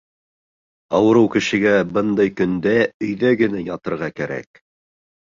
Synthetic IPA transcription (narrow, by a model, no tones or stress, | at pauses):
ɑwɤ̆ɾɤwkɘ̆ʃɘ̆ɡæbɤnd̪ɑjkɵ̆nd̪æɵ̆jðæɡɘ̆næjɑt̪ɤ̆ɾʁɑkæɾæ̰k̚